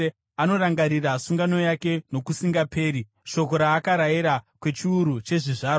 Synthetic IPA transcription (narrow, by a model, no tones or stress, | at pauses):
ano̞ɾaŋɡaɾirasuŋɡano̞jake̞no̞kusiŋɡape̞ːɾi | ʃo̞ko̞ɾaːkaɾajiɾakwe̞t͡ʃiuɾut͡ʃe̞ʐiʐaːɾo